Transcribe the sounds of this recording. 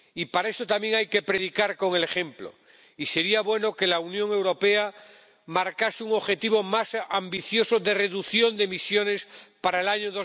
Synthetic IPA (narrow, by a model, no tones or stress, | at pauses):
ipaɾae̞sot̪amje̞ŋajke̞pɾe̞ðikaɾko̞ŋele̞χemplo̰ | ise̞ɾiaβwe̞noke̞launjõŋe̞wɾo̞pe̞a | maɾkaseuŋo̞βxe̞t̪iβo̞masambiθjo̞soðe̞re̞ðuθjo̞nd̪emisjo̞ne̞spaɾaelaɲoðo